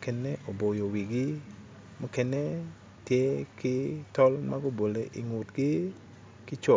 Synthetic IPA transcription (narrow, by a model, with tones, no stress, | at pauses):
kɛ˦nɛʔo˨bo˨jo˨wi˨ɡɪ˦ | mɔ˦kɛ˦nɛ | tje˦kɪ˦tɔ˦lma˦ɡo˦bo˨le˨ʔi˨ŋʊ˨tɡɪ˦ | kɪ˦t͡ʃɔ˨